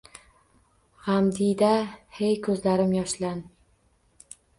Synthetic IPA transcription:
ʁamd̪ijd̪ahejkʰɵzlaɾɪmjɒʃlan

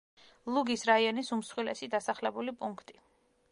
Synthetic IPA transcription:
lˠuɡisɾaiɔnisumsχwilɛsid̪asaχlɛbulipʼuŋkʰt̪ʼi̥

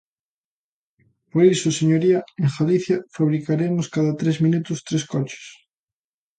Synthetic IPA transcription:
poɾisʊseɲoɾiɐeŋxaliθjɐfaβɾikaɾemʊskaðɐt̪ɾezmĩnut̪ʊst̪ɾeskɔt͡ʃɪ̥s

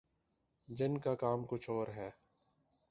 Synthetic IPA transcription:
d͡ʒɪnkakaːmkʊt͡ʃʰoːɾɦɛː

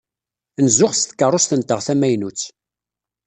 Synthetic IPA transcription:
nzʊχst̪kːərˤːost̪ənt̪əʁθæmæjnut͡sː

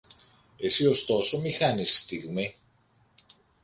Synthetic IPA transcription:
e̞sio̞st̪o̞so̞mixɐnisst̪iɣmi

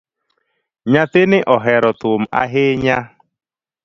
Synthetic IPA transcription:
ɲatɪnɪʔɔɦɛɾɔt̪ʊm̩a̰ɦɪɲa

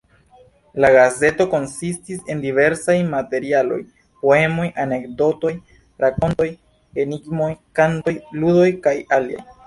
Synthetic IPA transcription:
laɡaze̞to̞ko̞nsistise̞ndive̞ɾsajmate̞ɾialo̞̰j | po̞e̞mo̞jʔane̞kdo̞to̞j | ɾako̞nto̞j | eniɡmojkanto̞jludo̞jkajalia̰j

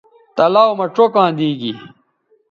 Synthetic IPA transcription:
t̪ɐlaːwmɐʈ͡ʂokãːd̪iːɡi

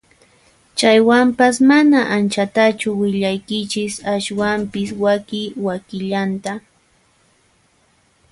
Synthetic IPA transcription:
t͡ʃajwampasmanaʔant͡ʃat̪at͡ʃʊwɪʎajkɪt͡ʃɪsaʃwampɪswakɪwakɪʎant̪a

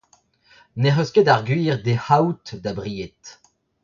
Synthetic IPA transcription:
neʁœsked̪aʁɡɥiːʁd̪ehaut̪d̪abʁijet̪

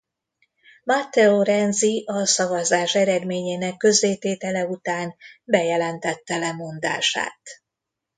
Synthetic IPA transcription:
mɒt̪ːɛoɾɛnziʔɒsɒvɒzaːʃɛɾɛd̪meːɲeːnɛkːø̞zːeːt̪eːt̪ɛlɛut̪aːnbɛjɛlɛnt̪ɛt̪ːɛlɛmo̞nd̪a̰ːʃa̰ːt̪

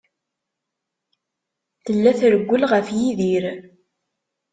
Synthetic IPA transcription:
θəlːæθɾəɡʷːəlʁəfjiðiɾ

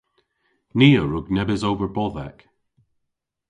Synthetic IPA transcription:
niəɹoɡnɛbɪzovə˞bɔðɛ̰k

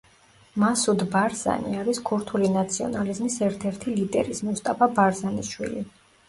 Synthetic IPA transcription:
masud̪baɾza̰nḭaɾiskʰuɾt̪ʰulinat̪sʰiɔ̰nalizmisɛɾt̪ʰɛɾt̪ʰilid̪ɛ̰ɾizmust̪ʼapʰabaɾzaniʃwḭli

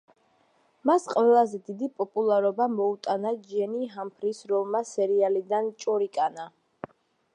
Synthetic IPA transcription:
masqʼvɛlˠazɛd̪id̪ipʼɔpʼulˠaɾɔbamɔut̪ʼanad͡ʒɛniɦampʰɾisɾɔlˠmasɛɾialid̪ant͡ʃʼɔɾikʼana

